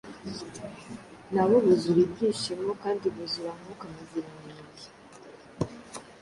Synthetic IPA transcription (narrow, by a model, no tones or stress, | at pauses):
naβoβuzuɾibɡiːʃimokaːndiβuziɾamukamaziɾaniːŋɡi